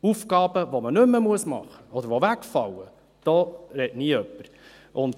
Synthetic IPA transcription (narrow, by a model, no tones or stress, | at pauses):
ufkɑːbəʋɔmənɵmːəmuəsmɑ̰χəɔd̪əɾʋovækfɑlːə | d̥ɔːɾɛtniːœpːəɾ | ʔʊnt̪